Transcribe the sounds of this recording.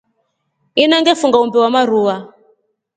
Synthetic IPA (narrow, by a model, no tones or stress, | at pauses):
inaŋɡɛfuŋɡaumbɛwamaɾuwa